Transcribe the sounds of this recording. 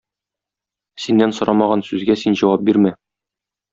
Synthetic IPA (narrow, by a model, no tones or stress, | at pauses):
sinːænsŏɾɑmɑʁɑnsʉzɡæsinʑɒwɑp̚biɾmæ